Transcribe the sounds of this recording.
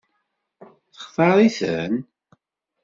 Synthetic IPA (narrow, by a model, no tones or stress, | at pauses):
θə̥χfɑɾˤiθən